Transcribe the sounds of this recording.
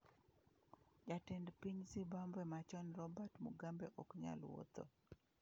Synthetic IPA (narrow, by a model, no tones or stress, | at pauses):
d͡ʒatɛndpiɲzibambwɛmat͡ʃɔnrɔbatmuɡambɛʔɔkɲa̰lwo̰t̪o̰